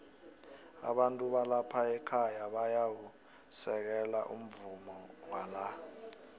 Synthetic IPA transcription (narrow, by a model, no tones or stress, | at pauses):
a̰ɓantʼuɓalapʰaɛkʰajaɓajawu | sɛk̬ɛlaʔṵm̩vumɔwana